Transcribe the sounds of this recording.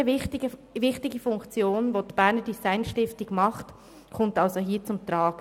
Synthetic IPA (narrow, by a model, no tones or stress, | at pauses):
əɪtɪɡəvɪχtɪɡəfʊŋkt͡sjoːnvoːdb̥æːɾnədisaɪnʃtɪftɪɡmɑχt | kʰɔmtɑlsoɦiːt͡sʊmt̪ɾɑːɡ